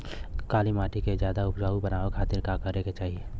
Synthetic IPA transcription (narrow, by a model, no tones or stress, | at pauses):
kaːlimaːʈʰiked͡ʒjaːd̪aʊpd͡ʒaːubənaːʋekʰaːt̪ɪɾkakəɾeket͡ʃaːɦie